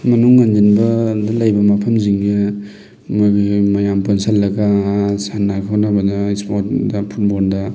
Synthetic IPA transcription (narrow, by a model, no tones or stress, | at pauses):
mɐnuŋːand͡ʒinbɐdɐlajbɐmɐpʰɐmziŋna | maɡimɐjamponsalːɐɡasanːakʰawnabɐdɐispot̚dɐpʰut̚bondɐ